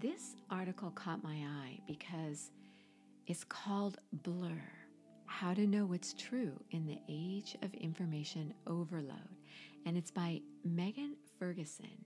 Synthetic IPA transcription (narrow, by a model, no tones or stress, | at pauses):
ðɪsʔɑɹɾɨkl̩ˠkʰɔt̚maɪaɪb̥ɨkʰʌz | ʔɨtskʰɔlˠdblɜ˞ | haʊɾɨnoʊwʌtstʰɹ̥ʉɨ̃nðḭʔeɪd͡ʒʌ̰vɪ̰̃ɱfə˞meɪʃɨ̃nʔoʊvə˞lo̰ʊɾɨ̃nɨtsb̥aɪmɛɡɨ̃nfɜ˞ɡɨsɨ̰̃n